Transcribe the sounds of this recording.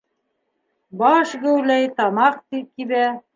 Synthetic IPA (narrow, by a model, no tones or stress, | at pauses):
bɑʃɡɵ̆wlæjt̪ɑmɑq̚t̪ip̚kiβæ